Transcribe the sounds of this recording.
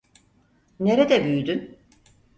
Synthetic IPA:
ne̞ɾed̪ɛbyjyd̪yn

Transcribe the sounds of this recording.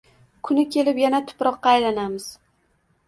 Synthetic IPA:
kʰʊnɪkʲʰe̞lɪpjanat̪ʰʊ̥pɾɒqːɑːjlanamɪz̥

